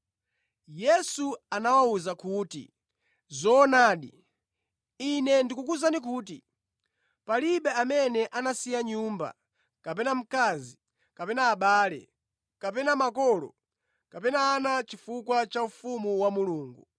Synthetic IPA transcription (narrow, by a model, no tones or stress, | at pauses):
jɛsuanawauzakuːtḭ | zɔːnaːɗḭ | inɛndikuk̬uzanik̬uːt̬ḭ | paliɓɛamɛnɛʔanasijaɲuːmba̰ | kapɛnam̩kaːzi | kapɛnaːɓaːlɛ̰ | kap̬ɛnamakɔlɔ̰ | kapɛnaːnat͡ʃifukwat͡ʃaufumuwamuluːŋɡu